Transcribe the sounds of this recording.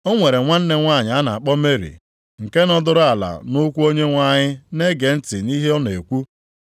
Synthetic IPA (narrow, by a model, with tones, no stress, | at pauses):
o˦ŋʷe˨ɾe˨ŋʷa˦n̩˦ne˦ŋʷa˦˨ɲɪ˨a˦na˨a˨k͡pɔ˦me˦ɾḭ˨ | ŋ̩˨ke˦nɔ˦dʊ˦ɾʊ˦a˨la̰˨nʊ˦kʷu˦o˦ɲe˦ŋʷa˦ɲɪ˦ne˦ɡe˨n̩˦tɪ˨ni˦ɦe˦ɔ˦n˨e˨kʷu˦